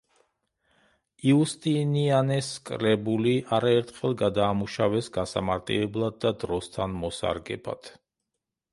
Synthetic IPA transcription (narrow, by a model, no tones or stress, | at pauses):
iust̪ʼinianɛskʼɾɛbuliʔaɾaɛɾt̪ʰχɛlˠɡad̪aːmuʃavɛsɡasa̰maɾt̪ʼḭlɛblˠad̪̚ːad̪ɾɔst̪ʰanmɔsa̰ɾɡɛ̰ba̰t̪ʰ